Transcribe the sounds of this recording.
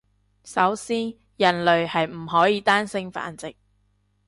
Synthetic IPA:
sɐ˨˥wsiː˥n | jɐ˨˩nlɵ˨ɥhɐ˨jm̩˨˩ɦɔː˨˥jiː˨˧˥t̪aː˥nsɪ˥ŋfa̰ː˨˥nt͡sɪ˨k̚

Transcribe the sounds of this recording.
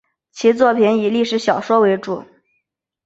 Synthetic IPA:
t͡ɕʰi˧˥t͡swɔ˥˩pʰi˧˥ni˨˩li˥˩ʂɻ̩˧˥ɕjɑ˨˩ʊʂwɔ˥we˧˥ɪʈ͡ʂṵ˨˩˦

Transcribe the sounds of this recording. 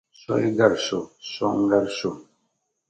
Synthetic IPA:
sɔ̰˦i˦ɡa˦˨ɾso˨sɔ˦ŋ̩˦ɡa˦ɾso˨

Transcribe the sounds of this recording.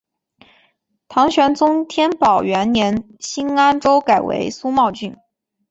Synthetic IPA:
t̪ʰɑ˧˥ŋɕɥɛ˧˥nt͡sʊ˥ŋt̪ʰjɛ˥npɑ˨˩ʊɥɛ˧˥nnjɛ˧˥n | ɕi˥na˥nʈ͡ʂo˥ʊka˨˩ɪwḛ˧˥ɪsu˥mɑ˥˧ʊt͡ɕy˥˩n

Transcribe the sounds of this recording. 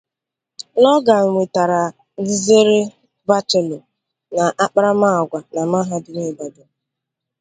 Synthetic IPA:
lɔ˦ɡa˨ŋʷe˨ta˨ɾa˨ | ɡi˦ze˦ɾe˦ | ba˦te˨lo˨ | na˨ʔa˦k͡pɾa˦ma˦˨ɔ˨ɡʷa˨na˨ma˦ɦa˦dɪ˨ne˦˨ba˨do˨˦

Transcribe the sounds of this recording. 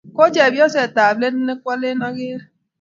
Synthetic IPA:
ko˦d͡ʒe˨bjɔ˦se˨ta˨ble˦n̩˦ne˦kʷa˦le˦nɔ˦ɡɪ˦˨

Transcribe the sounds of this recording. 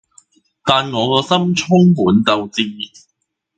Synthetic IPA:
t̪aː˨nŋɔː˨˧kɔː˧sɐ˥mt͡ʃʰʊ˥ŋmuː˨˥nt͡sɐ˨wt͡siː˧

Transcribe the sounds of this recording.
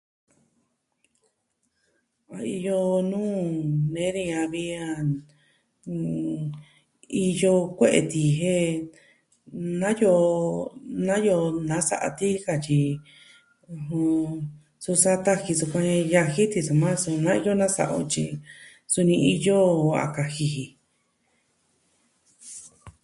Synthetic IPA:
a˧i˧jo˧nũː˦nẽ˨˦nĩ˧ã˧βi˧a˧ | i˧jo˧kʷe˦ʔḛ˧˨t̪i˨˧ɦe˦ | nã˦jo˧ | nã˦jo˧nã˨˦sa̰˧ʔa̰˧t̪i˦˧ka˧t͡ʃi˧ | ũ˧ɦũ˧ | su˧sa˦t̪a˦hi˧su˧kʷã˧ja˧hi˦t̪i˧su˧mã˦su˧nã˦i˧jo˦nã˦sa̰˧ʔo̰˧t͡ʃi˧ | su˧nĩ˧ʔi˧jo˦a̰˨ka˧hi˧hi˧

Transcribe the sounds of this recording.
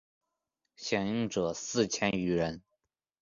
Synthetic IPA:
ɕjɛ˨˩ŋi˥ŋʈ͡ʂɤ˨˩sɹ̩˥˩t͡ɕʰjɛ˥ny˧˥ɻə˧˥n

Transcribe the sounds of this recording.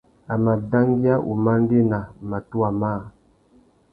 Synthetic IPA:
a˨ma˨da˦ŋɡi˦a˦ʔṵ˨ma˦n˦de˦na˨ma˨tu˦a˨ma˦˨

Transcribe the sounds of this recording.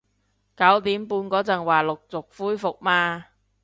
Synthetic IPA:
kɐ˨˥wt̪iː˨˥mpuː˧nkɔː˨˥t͡sɐ˨˩ŋwaː˨˩lʊ˨k̚t͡sʊ˨k̚fuː˥jfʊ˨k̚maː˧

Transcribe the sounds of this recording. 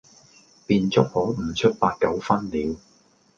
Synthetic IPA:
piː˧nt͡sʊ˥k̚hɔː˨˥m̩˨˩t͡ʃʰɵ˥t̚paː˧t̚kɐ˨˥wfɐ˥nliː˨˧˥w

